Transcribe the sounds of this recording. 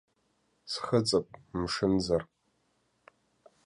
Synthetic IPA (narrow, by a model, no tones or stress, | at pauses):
sχət͡sʼɨpʷʼmʂɨnd͡zar